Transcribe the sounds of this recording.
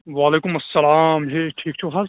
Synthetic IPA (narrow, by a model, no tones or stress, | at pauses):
ʋaːleːkʊmɐsːɐlaːmɦeːʈʰiːk̚t͡ʃʰuɦaːl